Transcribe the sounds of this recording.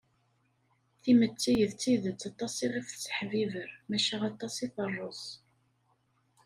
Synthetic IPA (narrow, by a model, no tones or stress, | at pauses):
θimət͡sːijəðt͡sːiðət͡sːɑt̪ˤːɑsiʁifθt͡sːə̥ħvivəɾmæʃæʁɑt̪ˤɑsiθərˤːos